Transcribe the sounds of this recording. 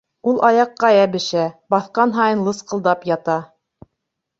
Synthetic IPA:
ulˠʔɑjɑqːɑjæbɘ̆ʃæbɑθqɑnɦɑjɤ̆nlˠɤsqɤ̆lˠd̪ɑpjɑt̪ɑ

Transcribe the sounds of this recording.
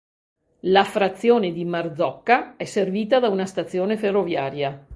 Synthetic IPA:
lafɾat̪sːjoːned̪imard̪zɔkːaɛsːerviːt̪ad̪aunast̪at̪sːjoːneferːovjaːɾja

